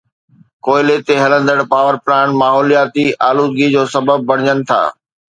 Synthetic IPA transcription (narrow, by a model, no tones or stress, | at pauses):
koːɪlet̪eɦɐlə̃nd̪əɽpaːʋəɾplãːɳmaːɦɔːlijaːt̪iʔaːluːd̪ɡid͡ʑoːsɐbəb̚ːɐɽ̤̃ɪɲənɪ̆t̪ʰa̰ː